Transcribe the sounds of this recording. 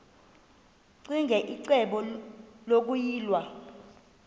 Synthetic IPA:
ǀiŋɡʱɛʔiǀɛɓɔlok̬ujiːlwa

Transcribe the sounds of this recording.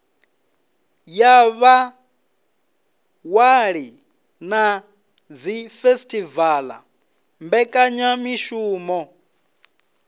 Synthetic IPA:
jaβa | waɺi | na | d͡zifestʰʼivala̰ | mbɛkʼaɲamiʃuːmɔ

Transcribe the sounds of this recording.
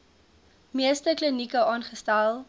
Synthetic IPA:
miəstəklənikəɑːnχəstælˠ

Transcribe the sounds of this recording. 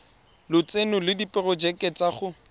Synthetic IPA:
lʊt͡senʊlɪdipʼɪrɔd͡ʒɛkʼɛt͡sʼaχʊ

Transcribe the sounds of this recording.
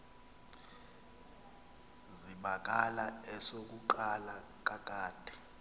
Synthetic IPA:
ziɓak̬ʼalaɛsok̬uǃala | k̬ʼak̬ʼaːd̥ʱɛ̥

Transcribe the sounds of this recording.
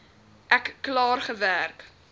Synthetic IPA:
ʔɛkːlɑːrχəværk

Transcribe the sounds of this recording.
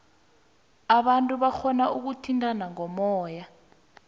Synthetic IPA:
aɓantʼuɓaxɔnaʔuk̬utʰintʼanaŋɔmɔːja

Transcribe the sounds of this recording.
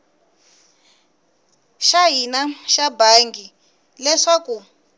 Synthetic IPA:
ʃaɦinaʃabaŋɡi | lɛʂaku

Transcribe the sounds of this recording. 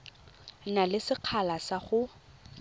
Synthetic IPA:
nalɪsɪq͡χʰalasaχʊ

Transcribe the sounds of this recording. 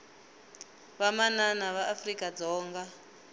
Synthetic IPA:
βamananaβaʔːfrikʼad͡zɔːŋɡa

